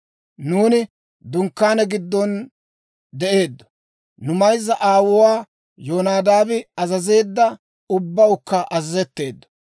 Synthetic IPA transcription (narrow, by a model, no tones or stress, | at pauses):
nuːnɪ | d̪ʊŋkːaːnɛɡɪd̪ːɔn | d̪ɛʔe̞ːd̪ːɐ̥ | nʊmɐjzːɐʔaːwʊwaː | joːnaːd̪aːbɪɐzɐze̞ːd̪ːɐ | ʊbːɐwʊkːɐʔɐzɐzɛt̪ːe̞ːd̪ːɐ̥